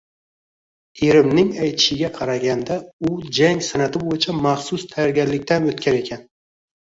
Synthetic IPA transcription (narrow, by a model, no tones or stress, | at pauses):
eɾɪmnɪŋajt̪ʰɪ̥ʃɪɡʲaqʰɑɾaɡʲand̪aʊd͡ʒaŋsanat̪ʰɪbojɪt͡ʃʰamaχsʊst̪ʰajɒɾɡʲaɾlɪkʲt̪ʰanɵt̪kʲʰaɾe̞kʲʰan